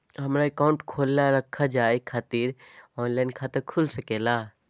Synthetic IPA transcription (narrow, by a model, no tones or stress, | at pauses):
ɦəmɾaekaːʊ̃ɳʈkʰoːlːaɾəkʰːad͡ʒaːekʰaːt̪iɾɔːnlaːɪnkʰaːt̪əɾkʰʊlsəkeːlaː